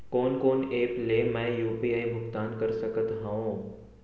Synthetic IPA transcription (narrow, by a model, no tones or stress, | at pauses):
koːnkoːneːplemɛ̃ːjuːpiːaːibʱʊkt̪aːnkɐɾsɐkət̪ɦãõ